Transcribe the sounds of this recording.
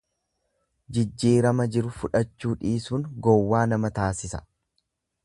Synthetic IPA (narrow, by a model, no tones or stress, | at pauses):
d͡ʒɪd͡ʒːiːɾɐmɐd͡ʒɪɾʊfʊᶑɐt͡ʃːuːᶑiːsuːŋɡɔwːaːnɐmɐt̪aːsɪsɐ̥